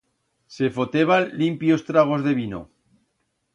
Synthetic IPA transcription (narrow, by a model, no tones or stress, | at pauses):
se̞fo̞t̪eβanlimpjo̞st̪ɾaɣ̞o̞zðe̞β̞ino̰